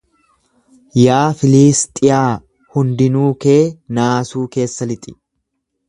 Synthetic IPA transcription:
jaːfɪliːst̪ʼɪjaː | hʊnd̪ɪnuːke̞ːnaːsuːke̞ːsːɐlɪt̪ʼɪ̥

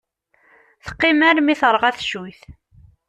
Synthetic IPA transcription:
θə̥qːimæɾmiθəɾˤʁæθʃujθ

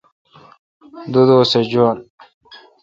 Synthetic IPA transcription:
d̪ud̪oːsed͡ʑon

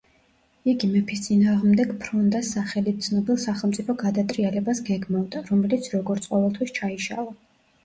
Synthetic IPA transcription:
iɡimɛpʰist̪sʼinaːʁmd̪ɛɡpʰɾɔnd̪asːaχɛlit̪̚t̪sʰnɔbilˠsaχɛlˠmt̪sʼipʰɔɡad̪at̪ʼɾialɛbasɡɛɡmavd̪aɾɔmɛlit̪sʰɾɔɡɔɾt̪sʼqʼɔvɛlˠt̪ʰwist͡ʃʰaiʃa̰lˠa

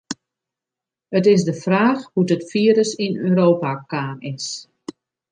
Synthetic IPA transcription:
ətɪsdəfraːxhudətfiːəɾəsinøːɾoːpakaːnɪs

